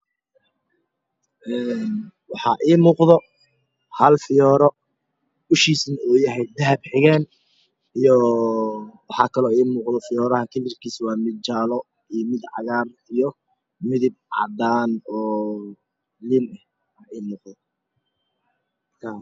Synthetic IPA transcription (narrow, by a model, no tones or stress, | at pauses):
ʔɛːn | wɑħɑʔiːmuːqðɔ | hɐlfɪjɔːɾɔ | ʊʃiːsnuːjɐɦɛjd̪ɐɦɐbħɪɣɛːn | ijɔ | wɑħɑːkʰɐlɔːiːmuːqðɔfɪjɔːɾɐhɐkʰɛlɪrkʰiːswɑːmɪd̪̚t͡ʃaːlɔ | imɪd̪ʕɑ̰ɣaːrijɔ | mɪðɪb̚ʕɑ̰d̪aːnɔː | lɪnɛh | aiːmuːqðɔ | kʰa